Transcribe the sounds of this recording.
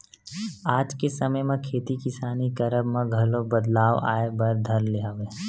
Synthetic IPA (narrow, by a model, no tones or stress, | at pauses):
aːd͡ʒkesɐməjmãkʰeːt̪ikɪsaːnikɐɾəbmãɡʱɐlobɐd̪laːʋa̰ːebɐɾd̪ʱɐɾleɦaːʋe